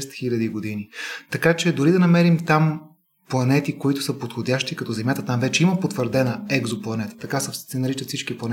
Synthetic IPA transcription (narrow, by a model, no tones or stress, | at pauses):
st̪xilʲɐd̪iɡod̪init̪ɐkat͡ʃɛd̪oɾid̪ɐnɐmɛɾimt̪am | plˠɐnɛt̪ikoit̪ʊ̥səpot̪xodʲaʃt̪ikɐt̪ɔzɛmjat̪ət̪amvɛt͡ʃɛiməpot̪vəɾd̪ɛnəɛɡzoplˠɐnɛt̪ə̥t̪ɐkasɐsɛnɐɾit͡ʃət̪sit͡ʃkiplˠɐnɛ